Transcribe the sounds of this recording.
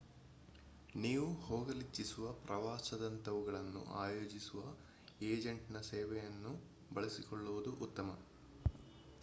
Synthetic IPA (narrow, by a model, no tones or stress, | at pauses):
niːʋuhoːɡɐlit͡ʃːisuʋɐpɾɐʋaːsɐd̪ɐnt̪ɐʋuɡɐɭɐnːṵʔaːjoːd͡ʒisuʋɐ | eːd͡ʒɐɳʈinɐsɛːʋɛjɐnːu | bɐɭɐsikɔɭːuʋud̪uʔut̪ːɐmɐ̰